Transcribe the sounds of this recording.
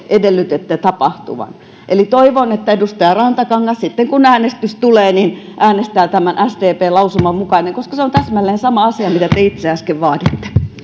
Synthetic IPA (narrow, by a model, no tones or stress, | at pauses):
ʔedelːyt̪et̪ːet̪ɑpɑht̪ṵʋɑ̰n | ʔelit̪oiʋonet̪ːæedust̪ɑjɑrɑnt̪ɑkɑŋːɑssit̪ːeŋkunæːnest̪yst̪uleːnin | ʔæːnest̪æːt̪æmænʔæst̪eːpeːlɑusumɑmukɑineŋkoskɑseont̪æsmælːeːnsɑmɑɑsiɑmit̪æt̪eit̪seɑskeʋʋɑːt̪it̪ːe̥